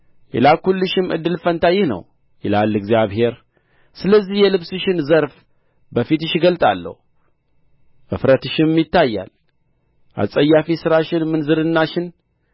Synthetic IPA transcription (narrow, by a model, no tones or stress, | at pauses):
jɛ̰lakulːɨʃɪmɨ̰d̪ːɨlfənt̪ʰajɪhnə̰w | jɛlalːɨɡzijaβhe̞ɾ | sɨləzːihjɛlɨβsɨʃɪnzəɾf | bəfit̪ɨʃɡəlt̪ʼa̰lːə̰hu | ʔɨfɾət̪ɨʃɪmːjɪt̪ːajːa̰l | ʔa̰sʼəjːafisɨɾaʃɪnmɨnzɨɾɨnːaʃɪn